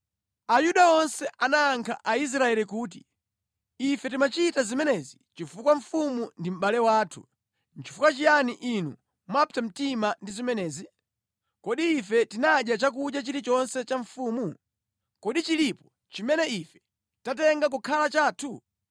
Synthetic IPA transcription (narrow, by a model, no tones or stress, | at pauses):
ajuɗaɔnsɛʔanaːŋkʰa̰ʔais̬ɾaɛlikuːt̬i | ifɛtimat͡ʃitazimɛnɛzit͡ʃifukwaɱ̩fumundim̩ɓalɛwaːtʰṵ | n̩t͡ʃi̥fukwat͡ʃijaniʔinu | mapʰitam̩timandizimɛnɛːzi | kɔɗiːfɛtinaɗjat͡ʃak̬uɗjat͡ʃiɾit͡ʃɔnsɛt͡ʃaɱ̩fuːmu | kɔɗit͡ʃilipɔ̥ | t͡ʃimɛnɛifɛ̥ | tatɛŋɡak̬ukʰalat͡ʃaːtʰu